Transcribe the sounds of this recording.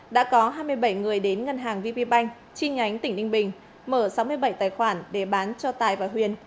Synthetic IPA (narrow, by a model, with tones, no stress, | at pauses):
ɗa̰ː˧˥kɔ˨˦ɦaː˧jmɨ˧əjɓə˧˩jŋɨ˨˩əjɗe˨˦nŋə˧nɦaː˨˩ŋvi˧pi˧ɓa˧jŋ̟ | t͡ɕi˧ŋa˨˦jŋ̟t̪ï˧˩ŋ̟ɗï˧ŋ̟ɓï˨˩ŋ̟ | məː˧˩sa˨˦wmɨ˧əjɓə˧˩jt̪aː˨˩jxwaː˧˩nɗe˧˩ɓaː˨˦nt͡ɕɔ˧t̪aː˨˩jvaː˨˩ɦwi˧˩ən